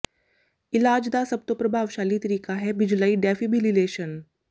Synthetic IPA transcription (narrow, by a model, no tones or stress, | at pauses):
ɪlaːd͡ʒd̪asɐb̚t̪opɾɐbʱaːʋʃaːlit̪ɐɾiːkaɦɛbɪd͡ʒləiɖɛːfibʱilɪleːʃən